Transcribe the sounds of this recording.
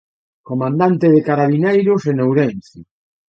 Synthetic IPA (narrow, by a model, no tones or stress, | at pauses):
komãnd̪ant̪eð̞ekaɾaβinejɾosenowɾɛnθi